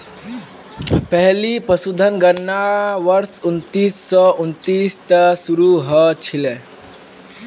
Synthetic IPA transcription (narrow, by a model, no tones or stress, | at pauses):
pəɦlipəsud̪ʱənɡənːaʋəɾsunt̪isːɔunt̪ist̪əsuɾuɦət͡ʃʰilẽ